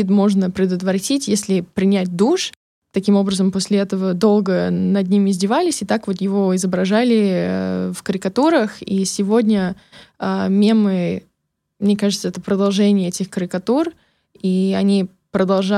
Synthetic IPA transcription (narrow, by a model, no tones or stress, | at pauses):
it̪mo̞ʐnəpɾʲɪd̪ət̪vəɾtʲitʲjesʲlʲɪpɾʲɪnʲæt̚ʲd̪uʂ | t̪ɐkʲimo̞bɾəzəmposʲlʲɪɛt̪əvəd̪o̞lˠɡənɐd̪ʲnʲimɪzʲdʲɪvalʲɪsʲɪt̪akvo̞t̪jɪvo̞ɪzəbɾɐʐalʲɪ̰ | fkəɾʲɪkɐt̪uɾəxisʲɪvo̞dʲnʲə | amʲemɨ | mnʲeɛkaʐɨt̪səɛt̪əpɾəd̪ɐlˠʐɛnʲɪjəɛtʲɪxkəɾʲɪkɐt̪ur | iɐnʲi | pɾəd̪ɐlˠʐa